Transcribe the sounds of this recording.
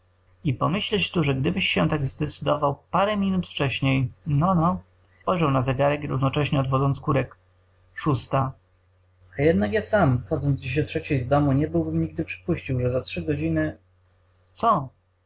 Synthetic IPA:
ipɔmɘɕlɛt͡ɕt̪uʐɛɡd̪ɘbɘɕɕɛ̃t̪aɡzd̪ɛt̪sɘd̪ɔvawpaɾɛmʲinut̪ft͡ʂɛɕɲejnɔnɔ | spɔjʐɛwnazɛɡaɾɛkɾuvnɔt͡ʂɛɕɲɛɔd̪vɔd̪zɔnt̪skuɾɛk | ʂust̪a | ajɛd̪̚nakjasamxɔd̪zɔnd̪d͡ʑeɕd̪ɔtʂɛt͡ɕejzd̪ɔmuɲɛbɘwbɘmɲiɡ̚d̪ɘpʂɘ̥puɕt͡ɕiwʐɛzatʂɘɡɔd͡ʑinɘ | t̪sɔ

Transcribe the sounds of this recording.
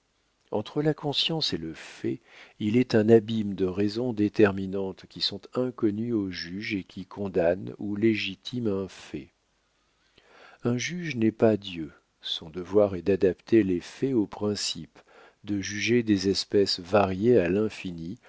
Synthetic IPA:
ɑ̰̃t̪χəlakɔ̃sjɑ̃seləfɛilɛt̪ɛ̃nabimd̪əʁɛzɔ̃d̪et̪ɛʁminɑ̃t̪kʲisɔ̃t̪ɛ̃kɔnyoʒyʒekʲikʰɔ̃d̪anuleʒit̪ʰimɛ̃fɛ̰ | ɛ̃ʒyʒnɛpad̪jø | sɔ̃d̪əvwaʁɛd̪ad̪apt̪ʰelefɛopχɛ̃sip | d̪əʒyʒed̪ezɛspɛsvaʁjealɛ̃fini

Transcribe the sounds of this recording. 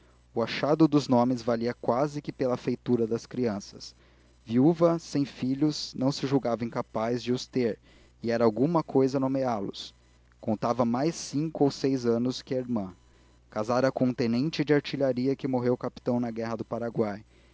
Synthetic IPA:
ʊaʃad̪ʊd̪ʊznõmɪzvaliɐkwazɪkɪpelɐfejt̪uɾɐd̪ɐskɾiɐ̃sɐ̥s | viuvɐsẽj̃fiʎʊsnɐ̃w̃sɪʒuwɡavɐẽkapazd͡ʒɪʊst̪eɾ | ɪɛɾɐawɡũmɐkʰojzɐnomealʊ̰s | kõnt̪avɐmajsːĩŋkʊowsejzɐ̃nʊskɪɐiɾmɐ̃ | kazaɾɐkõũt̪ẽnẽnt͡ʃɪd͡ʒɪaɾt͡ʃiʎaɾiɐkɪmoɦewkapi̥t̪ɐ̃w̃nɐɡɛɦɐd̪ʊpaɾaɡwaj

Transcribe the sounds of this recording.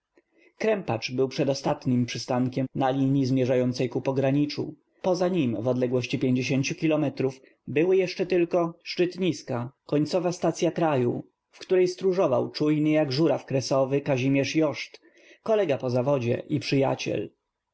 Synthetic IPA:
kɾɛmpat͡ʂbɘwpʂɛd̪ɔst̪at̪ɲimpʂɘst̪aŋkʲɛmnalʲiɲizmʲjɛʐajɔnt̪sɛjkupɔɡɾaɲit͡ʂṵ | pɔzaɲimvɔd̪lɛɡwɔɕt͡ɕipʲjeɲd͡ʑeɕeɲt͡ɕukʲilɔmɛt̪ɾuf | bɘwɘjɛʂt͡ʂɛt̪ɘlkɔʂt͡ʂɘt̪ɲiskakɔɲt̪sɔvast̪at̪sʲjakɾajṵ | fkt̪uɾɛjst̪ɾuʐɔvawt͡ʂujnɘjaɡʐuɾafkɾɛsɔvɘkaʑimʲjɛʂjɔʂt̪ | kɔlɛɡapɔzavɔd͡ʑɛ̰ʔipʂɘja̰t͡ɕɛ̰l

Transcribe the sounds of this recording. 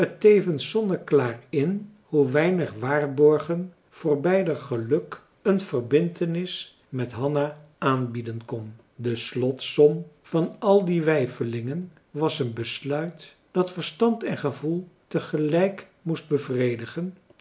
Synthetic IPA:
ətejvənsɔndəklaːrɪn | huʋɛjnəχʋaːrbɔɹχən | v̥ʊːɹbɛjdəχəlɵk | ənv̥ərbɪntənɪs | mɛtɦɑnaʔaːnbidənkɔn | dəslɔtsɔmv̥ɑnɑlˠdiʋɛjfəlɪŋən | ʋɑsənbəslœɥt | d̥ɑtfəɹstɑntɛnχəvulˠtəχəlɛjk | must̚bəvrejdəχən

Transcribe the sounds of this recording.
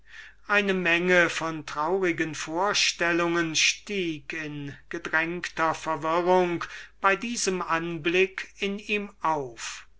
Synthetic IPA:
ʔaɪnəmɛŋəfɔntʁ̥aʊʁɪɡənfoːɐʃtɛlʊŋənʃtiːkɪnɡ̥ədʁɛŋktɐfɛɐvɪʁʊŋkb̥aɪdiːzəmʔanblɪkɪniːmʔaʊf

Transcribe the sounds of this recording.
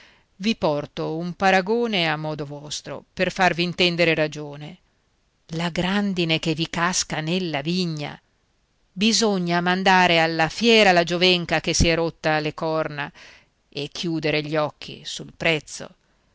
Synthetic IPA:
vipɔrt̪oumpaɾaɡoːneamːɔːd̪ovɔst̪ɾo̰perfarviːnt̪ɛnd̪eɾeɾad͡ʒoːne | laɡɾand̪inekevikaskanelːaviɲːa̰ | bizoɲːamand̪aːɾealːafjɛːɾalad͡ʒovɛŋkak̟esiɛɾot̪ːalekɔrna | ekʰːjuːd̪eɾeʎɔkʰːḭsulpɾɛt̪sːo̰

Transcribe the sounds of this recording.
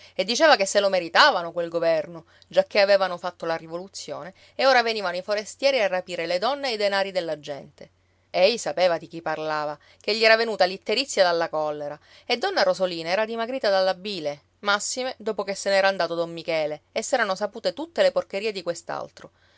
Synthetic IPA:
ed̪ːit͡ʃeːvakesːelomeɾit̪aːvanokwelɡovɛrno | d͡ʒakːeavɛːvanofat̪ːolarivolut̪sːjo̰ːne | eoːɾaveniːvanoifoɾest̪jɛːɾiarːapiːɾeled̪ɔnːeajd̪enaːɾid̪elːad͡ʒːɛnt̪e | ɛjsapeːvad̪ik̟ipːarlaːva | k̟eʎːiɛːɾavenuːt̪alit̪ːeɾit̪sːjad̪alːakɔlːeɾa | ed̪ːɔnːarozoliːnaɛːɾad̪imaɡɾiːt̪ad̪alːabiːle | masːimed̪oːpokesːenɛːɾaːnd̪aːt̪od̪omːikɛːleːsːɛːɾanosapuːt̪et̪ut̪ːeleporkeɾiːed̪ikwest̪a̰lt̪ɾo

